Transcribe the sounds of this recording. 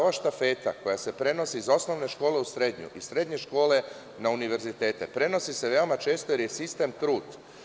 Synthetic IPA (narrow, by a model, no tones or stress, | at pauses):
oʋaʃt̪afe̞ːt̪a̰ko̞jase̞pɾe̞no̞siːzo̞sno̞ʋne̞ʃko̞ːle̞usɾe̞d̪ɲṵʔisɾe̞d̪ɲe̞ʃko̞ːle̞ | nauniʋe̞ɾzit̪e̞ːt̪epɾe̞no̞sise̞ʋe̞o̞mat͡ʃe̞ːst̪oje̞ɾjesist̪e̞mt̪ɾuːd̪